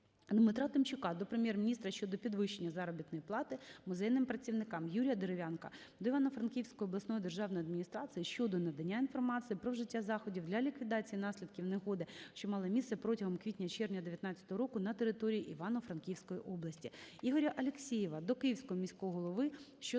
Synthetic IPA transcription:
d̪mɪt̪ɾɑt̪ɪmt͡ʃʊkɑd̪ɔpɾemʲjɛrmʲnʲist̪ɾɐʃt͡ʃɔd̪ɔpʲid̪ʋɪʃenʲːɐzɑɾɔbʲit̪nɔjiplˠɑt̪ɪmʊzɛjnɪmpɾɐt͡sʲiwnɪkɑmjuɾʲijɐd̪eɾeʋʲankɐ | d̪ɔiʋɑnɔfɾɐnkʲiwsʲkɔjɔblˠɐsnɔjid̪e̞rʒɑwnɔjɐd̪mʲinʲist̪ɾɑt͡s̪ʲijiʃt͡ʃɔd̪ɔnɐd̪ɐnʲːainfɔrmɑt͡sʲijipɾɔʒɪtʲːazɑxɔdʲiwdlʲɐlʲikʋʲid̪ɑt͡sʲijinɑsʲlʲid̪kʲiwneɦɔd̪ɪʃt͡ʃɔmɑlˠɐmʲissɛpɾɔtʲɐɦɔmkʋʲitʲnʲɐt͡ʃɛrnʲɐd̪eʋʲjɐt̪nɑt͡sʲːɐt̪ɔɦɔɾɔkʊnɐt̪eɾɪt̪ɔɾʲijiʔiʋɑnɔfɾɐnkʲijwsʲkɔjiʔɔblˠɐsʲtʲiiɦɔɾʲɐʔɐlʲeksʲijɪʋɐd̪ɔkɪjiwsʲkɔɦɔmʲisʲkɔjɦɔlˠɔʋɪ | ʃt͡ʃɔ

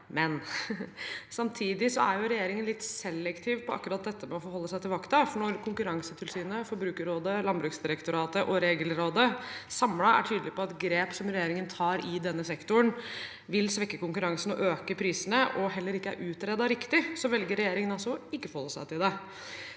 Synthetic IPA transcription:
mɛn | sɑmt̪ʰiːd̪ɪsɔ̰æɾjʊɾɛjeːɾɪŋənlɪt̪ːsɛlːɛkt̪ʰiːʋpʰɔɑ̰kːɾɑt̪̚d̪ɛt̪ːəmɛɔfɔɾɦɔlːəsæɪt̪ɪlʋɑkt̪ɑfɔɳɔɾkʰʊŋkʉɾɑŋsət̪ʰɪlsyːnəfɔɾbɾʉːkəɾoːd̪əlɑnbɾʉːksd̪ɪɾəkt̪ʊɾɑːt̪əʔɔɾeːɡəlɾoːd̪əsɑmlɑæ̰ʈʰyːd̪əlɪpɔɑt̪ɡɾeːpsɔmɾɛjeːɾɪŋənt̪ʰɑːɾɪd̪ɛnːəsɛkt̪ʊn | ʋɪlsʋɛkːəkʊŋkʉɾɑŋsənɔʔøːkəpʰɾiːsənəʔɔɦɛlːəɾɪkːəæ̰ɾʔʉːt̪ɾɛd̪ɑɾɪkt̪ɪsɔʋɛlɡəɾːɛjeːɾɪŋənɑsːɔɔɪkːəfɔhɔlːəsæ̰ɪt̪ʰɪld̪ɛ

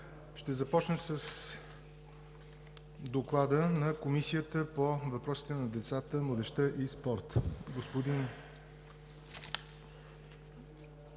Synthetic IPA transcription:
ʃt̪ɛzɐpɔt͡ʃnəsəs | d̪oklˠad̪ənɐkomisijət̪əpovɐpɾɔsi̥t̪ɛnɐd̪ɛt̪sat̪əmlˠəd̪ɛʃt̪əʔispɔɾt̪ɡospod̪in

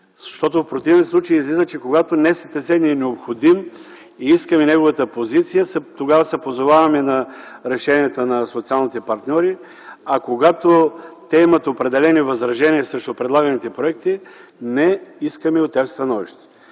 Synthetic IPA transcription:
zɐʃt̪ɔt̪ʊfpɾot̪ivɛnslˠut͡ʃəiːzlizət͡ʃɛkoɡat̪onɛsɛ̥t̪ɛsɛniɛnɛopxod̪im | iiskəminɛɡovət̪əpozit̪sijəsɛt̪oɡavəsɛpozovavɐminɐɾɛʃɛniɛt̪ənɐsot̪sialˠnit̪ɛpɐɾt̪nʲɔɾi | ɐkoɡat̪ot̪ɛimɐt̪opɾɛd̪ɛlɛnivɐzɾɐʒɛniəsɾɛʃt̪ʊpɾɛd̪lˠaɡənit̪ɛpɾoɛk̚t̪inɛiskəmɛot̪ɛvst̪ɐnɔviʃt̪ɛ̥

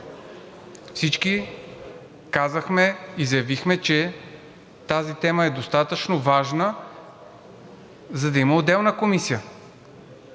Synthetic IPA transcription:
fsit͡ʃki | kazəxmɛizjɐvixmɛt͡ʃɛ | t̪azit̪ɛməɛd̪ost̪at̪ət͡ʃnovaʒnə | zɐd̪ɐimɐod̪ɛlˠnəkomisijə

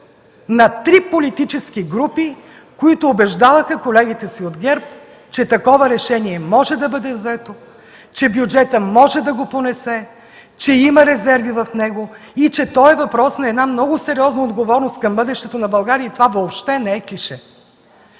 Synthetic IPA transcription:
nɐt̪ɾipolit̪it͡ʃɛskiɡɾupi | koit̪ʊːbɛʒd̪avɐxɐkolɛɡʲit̪ɛsiod̪ɡʲɛɾp | t͡ʃɛt̪ɐkɔvɐɾɛʃɛniɛmɔʒɛd̪ɐbɤd̪ɛvzɛt̪o | t͡ʃɛbjud͡ʒɛt̪əmɔʒɛd̪ɐɡoponɛsɛ | t͡ʃɛimɐɾɛzɛɾvivɐfnɛɡo | it͡ʃɛt̪ɔɛvɐpɾɔsnɐɛd̪namnɔɡʊsɛɾiɔznɐod̪ɡovɔɾnost̪̚kɐmbɤd̪ɛʃt̪ɛt̪onɐbɐlˠɡaɾiəit̪ovavoːpʃt̪ɛnɛɛkiʃɛ

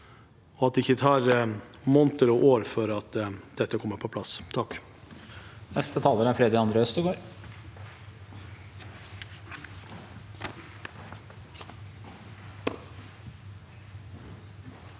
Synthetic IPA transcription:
ɔɑt̪d̪ɛɪçət̪ʰɑːɾmɔnt̪əɾɔʔoːɾfɔɾɑt̪d̪̥ɛt̪ːəkʰɔmːəɾpʰɔpʰlɑst̪ʰɑkː | nɛst̪ət̪ʰɑːləɾəæɾfɾeːd̪ɪɑnd̪ɾəœst̪əɡoːɾ

